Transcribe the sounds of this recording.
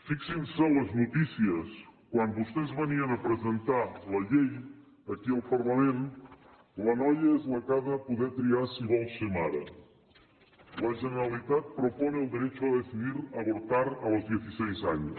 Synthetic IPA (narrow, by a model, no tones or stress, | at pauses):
fiksinsɛlɐznut̪isiəskwand̪βust̪ezβɐniɐnɐpɾezent̪alɐʎej | ɐkialˠpɐɾlɐmẽn | lɐnɔjɐezlɐkaðɐːpuðɛɾt̪ɾiaɾsiβɔlˠsemaɾɐ̰ | lɐʒeneɾalit̪at̪̚pɾopɔnːlˠd̪iɾɛt͡ʃuɐðesiðiɾɐβuɾt̪aɾalˠzðjeθisɛjzaɲʊs